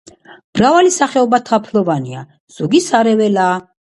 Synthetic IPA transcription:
b̥ɾavalisaχɛɔbat̪ʰapʰlˠɔvania | z̥ɔɡisaɾɛvɛlaː

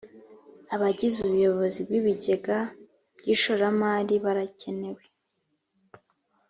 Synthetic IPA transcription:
aβaɟizuβujo̞βo̞zibɡiβiɟe̞ɡa | bɟiʃoɾamaːɾiβaɾace̞ne̞we̞

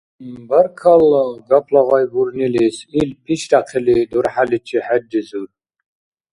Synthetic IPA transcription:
bəɾkʰalɡapʰlɔʁɔjbuɾnilisilpʰit͡ʃd̪aqʰilid̪uɾħalit͡ʃʰiħɛdizuɾ

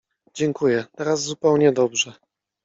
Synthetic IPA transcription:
d͡ʑɛŋkujɛt̪ɛɾazːupɛwɲɛd̪ɔbʐɛ

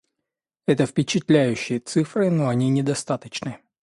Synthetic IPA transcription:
ɛt̪əfpʲɪt͡ɕɪt̪lʲæjʉɕːɪjət̪sɨfrɨnoɐnʲinʲɪd̪ɐst̪at̪ət͡ɕnɨ

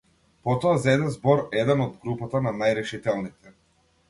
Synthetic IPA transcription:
pɔt̪ɔazɛd̪ɛzbɔɾɛd̪ɛnɔd̪ɡɾupat̪ananajɾɛʃit̪ɛlˠnit̪ɛ

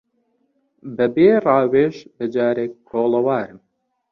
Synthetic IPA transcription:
bɨbeːrɑːweːʃbɨd͡ʒaːɾeːk̚kʰːoːlɐwaːɾɨm

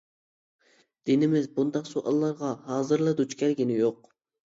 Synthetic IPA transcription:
d̪̥ɪnɪmɪzbund̪ɑqsoʔɑ̰lˠːɑɾʁɑɦɑːzɨɾlˠɨd̪ut͡ʃkʲʰɛɾɡʲinɪjoq

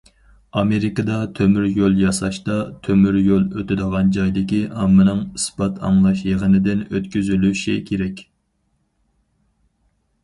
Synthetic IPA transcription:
ɑmeɾɪkɨd̪ɑt̪ʰømyɾjolˠjɑsɑʃt̪ɑt̪ʰømyɾjolˠøt̪ʰɪd̪əʁɑnd͡ʒɑjd̪ɪkʲiʔɑmːɨnɨŋɨsbɑt̪ʰɑ̰ŋlˠɑʃjeʁənɨd̪ɪnøt̪kʲyzylyʃɪkʲʰeɾɛkʲ

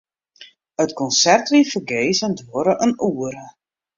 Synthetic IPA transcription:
ətkɔnsɛrtʋifərɡejzəndoəɾəʔənuːəɾə

